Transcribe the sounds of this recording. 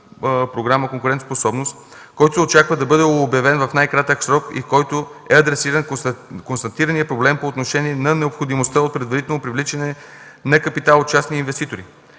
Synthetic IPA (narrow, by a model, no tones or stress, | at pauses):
pɾoɡɾaməkoŋkʊɾɛnt̪osposɔbnost̪ | kɔjt̪osɛot͡ʃakvəd̪ɐbɤd̪ɛobjɐvɛnvɐfnajkɾat̪əksɾɔkḭfkɔjt̪oɛɐd̪ɾɛsiɾɐnkonst̪ɐt̪iɾənijəpɾoblɛmpoːt̪noʃɛniɛnɐnɛopxod̪imost̪əot̪̚pɾɛd̪vɐɾit̪ɛlnopɾivlit͡ʃənɛnɐkɐpit̪alˠot͡ʃasniinvɛst̪it̪oɾḭ